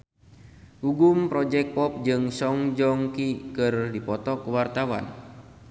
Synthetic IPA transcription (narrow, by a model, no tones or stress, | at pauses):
uɡumpɾɔd͡ʒɛk̚pɔp̚d͡ʒɨŋsɔŋd͡ʒɔŋkikɨrdipɔt̪ɔkuwart̪awa̰n